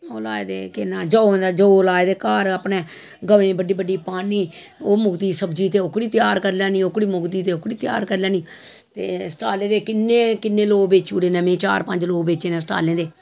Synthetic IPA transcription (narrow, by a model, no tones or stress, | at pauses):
oːlaːed̪eːkɪnãːd͡ʒõːd̪aːd͡ʒoːlaːed̪eːkaːɾapnẽː | ɡəʋẽːbəɖːiːbəɖːiːpaːniː | oːmʊɡd̪iːsəbd͡ʒiːt̪̬eːʊkɽiːt̪jaːɾkəɾljãːnĩːʊkɽiːmʊɡd̪iːt̪eːʊkɽiːt̪ja̰ːɾkəɾlaːnĩː | t̪ḛːsə̥ʈaːlẽːd̪eːkɪnːẽːkɪnːẽːloːɡbeːt͡ʃuːɾeːnəmẽːt͡ʃa̰ːɾpəɲd͡ʒloːɡbeːt͡ʃeːnẽːsʈa̰ːlẽːd̪eː